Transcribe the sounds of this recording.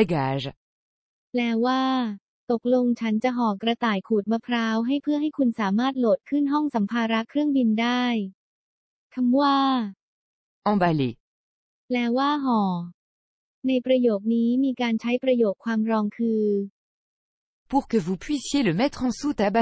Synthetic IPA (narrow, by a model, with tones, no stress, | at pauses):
ɡaː˧ʒ | lɛː˦˥waː˥˩ | t̪o˨˩k̚lo˧ŋt͡ɕʰa˦˥nt͡ɕa˨˩ʔɦɔː˨˩˦kɾa˧t̪aː˨˩jkʰuː˨˩t̪̚ma˧pʰɾaː˦˥wɦa˥˩jpʰɯ˥˩əɦa˥˩jkʰu˧nsaː˩˦maː˥˩t̪̚loː˨˩t̪̚kʰɯ˥˩nɦɔ˥˩ŋsa˩˦mpʰaː˧ɾa˦˥kʰːɾɯ˥˩əŋbi˧ndaː˥˩j | kʰa˧mwaː˥˩ | ɑ̃˧balḛ˨ | lɛː˦˥waː˥˩ɦɔː˩˦ | na˧jpɾa˧joː˨˩k̚niː˦˥miː˧kaː˧nt͡ɕʰa˦˥jpɾa˧joː˨˩kʰːwaː˧mɾɔː˧ŋkʰɯː˧ | pu˧ʁkəvu˨pɥisjeləmɛ˦t̪χɑ̃˨su˦t̪aba